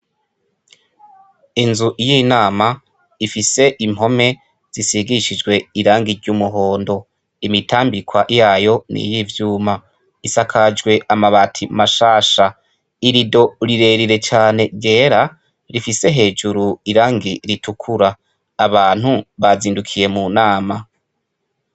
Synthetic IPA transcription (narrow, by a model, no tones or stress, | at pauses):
inzuʔjinaːma | ifise̞ʔim̥ho̞me̞ | z̥isiɡiʃid͡ʒɡwe̞iɾaːŋɡiɾɟuːmuɦo̞ːndo̞ | imitʰaːmbikwaʔijaːjo̞nḭjivjuːma | isakʰad͡ʒɡwe̞ʔamaβatʰimaʃaːʃa | iɾido̞ɾiɾe̞ɾiɾe̞t͡ʃaːne̞ɾɟe̞ːɾa | ɾifise̞ɦe̞ːd͡ʒuɾuiɾaːŋɡiɾitʰukʰuɾa | aβaːn̥huβaziːndukʰije̞munaːma